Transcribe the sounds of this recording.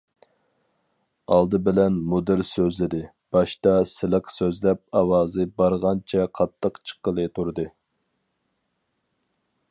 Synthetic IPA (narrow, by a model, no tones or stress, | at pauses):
ɑlˠd̪ɨbɪlɛnmud̪ɨɾsøzlɪd̪ɪ | b̥ɑʃt̪ɑsɪləqsøzlɛp̚ɑwɑːzɨbɑɾʁɑnt͡ʃʰɛqʰɑt̪ʰːəqt͡ʃʰə̥qəlˠɨt̪ʰuɾd̪ɨ